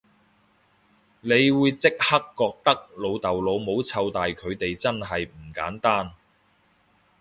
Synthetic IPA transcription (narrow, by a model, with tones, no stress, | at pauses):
le˨˧jwuː˨˧jt͡sɪ˥k̚hɐ˥kːɔː˧k̚t̪ɐ˥k̚lo˨˧wt̪ɐ˨wlo˨˧wmo˨˧wt͡sʰɐ˧wt̪aː˨jkʰɵ˨˧ɥt̪e˨jt͡sɐ˥nɦɐ˨jm̩˨˩kaː˨˥nt̪aː˥n